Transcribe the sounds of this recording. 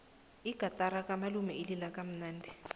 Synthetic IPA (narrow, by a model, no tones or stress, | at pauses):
iɡ̥ʱatʼaɾakamalumɛililakam̩naːndʱɛ